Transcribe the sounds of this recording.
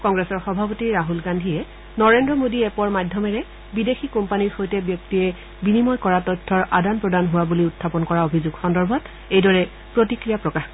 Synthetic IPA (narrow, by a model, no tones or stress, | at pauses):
kɔŋɡɹesɔɹxɔbʱapotiɹɹaɦulɡandʱiɛ | nɔɹendɹɔmodiɛpɔɹmajdʱːɔmɛɹɛ | bidexʰikɔmpaniɹxojtɛbjɔk̚tiɹɛ | binimɔjkɔɹatɔtʰːɔɹʔadanpɹɔdanɦʊwabuliʊtʰːapɔnkɔɹaobʱizʊɡxɔndɔɹbʱɔt | ejdɔɹɛ | pɹotikɹijapɹɔkaxkɔ